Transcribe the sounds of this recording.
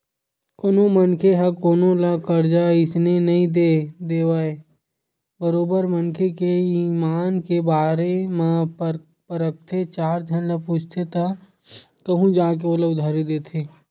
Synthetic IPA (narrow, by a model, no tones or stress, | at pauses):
koːnõmənkʰeɦɐkoːnõlakəɾd͡ʒaɪsnenɐɦĩd̪ed̪eːwaːe | bəɾoːbəɾmənkʰekeimaːnkebaːɾemã | pəɾək̚t̪ʰet͡ʃaːɾd͡ʒʱənləpuːt͡ʃʰt̪ʰet̪a | kɐɦũd͡ʒãːk̬eoːlaʊd̪ʱaːɾid̪eːt̪ʰeː